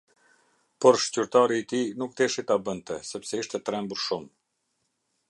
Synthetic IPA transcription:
pɔɾʃtyɾt̪aɾiːt̪inuk̚t̪ɛʃit̪abənt̪ɛsɛpsɛiʃt̪ɛt̪ɾɛmbuɾʃum

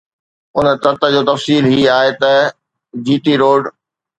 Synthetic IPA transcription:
ʊnt̪ɐt̪ə̆d͡ʑoːt̪ɐfsiːlɦiaːɦet̪ɐ | d͡ʑiːʈ̪iɾoːɖ

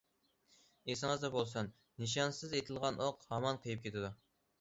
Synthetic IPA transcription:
esɪŋɨzd̪ɑbolˠsɑn | nɨʃ̬ɑnsɨzet̪ʰɪlˠʁɑnʔoqhɑmɑnqʰəjɨp̚kʲʰet̪ʰɪd̪u

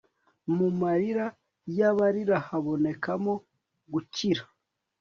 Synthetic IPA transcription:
mumaɾiɾa | jaβaɾiɾahaβo̞ne̞kamo | ɡuciɾḁ

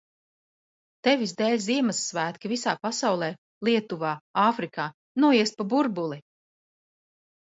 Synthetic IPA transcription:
t̪ɛvisd̪ɛːlʲziɛmasːvæːt̪kavisaːpasawlˠɛː | lˠiɛt̪uvaːaːfɾikaː | nuɔiɛspabuɾbulˠi

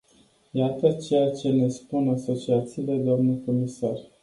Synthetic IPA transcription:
jat̪ət͡ʃe̞jat͡ʃe̞ne̞spunaso̞t͡ʃiat̪siːle̞d̪oamnuko̞misar

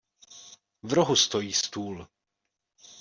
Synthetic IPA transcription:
vɾoɦust̪o̞jiːst̪uːl

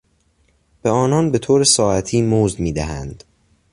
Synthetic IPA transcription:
b̥eɒːnɒːnbe̞t̪ʰoːɾesɒːæt̪ʰiːmoːzd̪miːd̪æɦænd̪̥

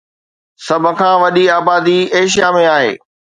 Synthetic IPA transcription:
sɐbʱʊ̆kʰãːʋɐɗiaːbaːd̪ieːʃ̬ijamẽaːɦḛː

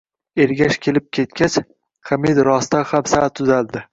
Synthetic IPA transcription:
eɾɡʲaʃkʲʰe̞lɪp̚kʲʰe̞t̪kʲat͡ʃ | χamed̪ɾɒst̪ahamsat̪ʰʊzald̪ɪ

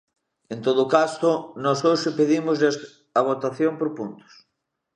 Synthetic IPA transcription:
ent̪oðʊkasʊnɔsoʃepeðimʊzles | aβ̞ot̪aθjompoɾpunt̪ʊ̥s

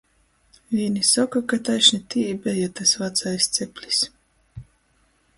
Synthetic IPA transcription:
vʲinʲisɔkakat̪ajʃnit̪iibʲɛjat̪asvat̪sajst̪sɛpʲlʲi̥s

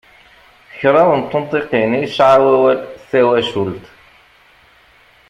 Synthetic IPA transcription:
çɾˤɑwənt̪ˤːʊnt̪ˤiqiniʃʕawæwælsæwæʃult̪

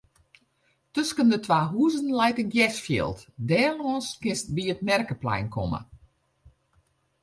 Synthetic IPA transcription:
tøskəndətʰʋaːɦuəzənlɛjtənɡjɛsfjɪ̰lˠtdɛːloənskɪst̚biətmɛrkəplɛ̰jnkʰɔ̰mə̰

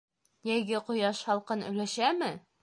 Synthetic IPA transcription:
jæjɡɘqŏjɑʃhɒlˠqɤnɵ̰̆jlæʃæmɘ

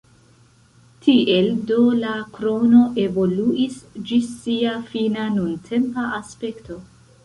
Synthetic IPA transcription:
tʰiʔe̞ldo̞lakɾo̞no̞ʔe̞vo̞luʔisd͡ʒisiafinanuntʰe̞mpaaspe̞kto̞

